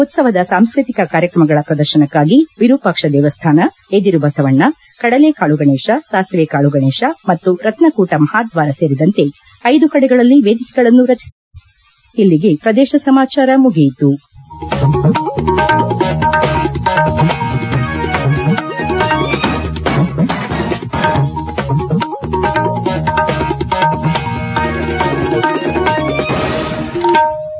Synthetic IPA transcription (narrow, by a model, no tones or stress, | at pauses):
ot̪sɐʋɐd̪ɐsaːmskɾit̪ikɐkaːɾjɐkɾɐmɐɡɐɭɐpɾɐd̪ɐɾʃɐnɐkːaːɡiʋiɾuːpɐkʂɐd̪ɛːʋɐst̪ʰaːnɐ | ed̪iɾubʱɐsɐʋɐɳːɐ | kɐɽɐlekaːɭuɡɐɳɛːʂɐsaːsʋeːkaːɭuɡɐɳɛːʃɐmɐt̪ːuɾɐt̪nɐkuːʈɐmɐhaːd̪ʋaːɾɐseːɾid̪ɐnt̪e̞ | ɐjd̪ukɐɽɛɡɐɭɐlːiʋeːd̪ikɛɡɐɭɐnːuɾɐt͡ʃi̥s | ilːiɡe̞pɾɐd̪ɛːʃɐsɐmaːt͡ʃaːɾɐmuɡijt̪u